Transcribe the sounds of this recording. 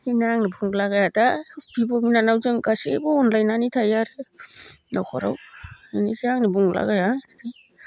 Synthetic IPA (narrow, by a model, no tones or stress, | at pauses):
hinaaŋnibʰuŋlaɡajadab̥ibɔminanawzɯŋɡasebɔːnlajnanitʰajaɾɯ | nakʰɔ̰ɾa̰winisiaŋnibuŋla̰ɡajada